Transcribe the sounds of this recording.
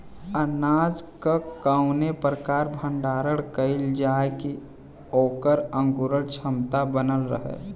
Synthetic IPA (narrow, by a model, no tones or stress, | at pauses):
ənaːd͡ʒkakaʊnepɾəkaːɾbʱə̃ɳɖaːɾəɽkəɪld͡ʒaeki | oːkəɾə̃ŋɡuɾəɽt͡ʃʰəmt̪abənəlɾə̰ɦḛː